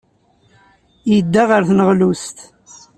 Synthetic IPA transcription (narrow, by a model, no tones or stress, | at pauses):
jəd̪ːaʁəɾθnəʁlust̪